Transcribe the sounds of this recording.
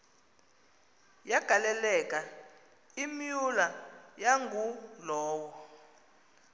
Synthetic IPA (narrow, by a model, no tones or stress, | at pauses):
jaɡ̥ʱalɛlɛk̬ʼa | imijulajaŋɡʱulɔːwɔ